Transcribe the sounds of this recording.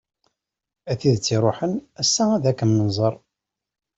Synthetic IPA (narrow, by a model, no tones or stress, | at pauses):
æθiðt͡sːiɾˤoħənæsːææðækːəmnənzˤəɾˤ